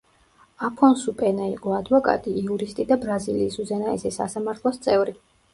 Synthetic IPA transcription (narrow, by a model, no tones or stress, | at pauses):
apʰɔnsupʼɛnaiqʼɔad̪vɔkʼa̰t̪ʼiːuɾist̪ʼid̪abɾaziliːsuzɛnaɛsɛsa̰samaɾt̪ʰlˠɔst̪sʼɛvɾi